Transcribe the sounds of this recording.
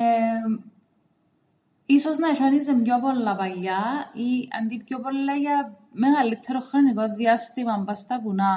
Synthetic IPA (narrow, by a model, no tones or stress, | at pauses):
e | isoznɐʃonizemɲopolːɐpɐʎːɐiɐ̰nd̪ipjopolːɐjɐmeɣɐlit̪ʰːeɾoxɾonikoðːiɐst̪imɐmbɐst̪ɐpunɐ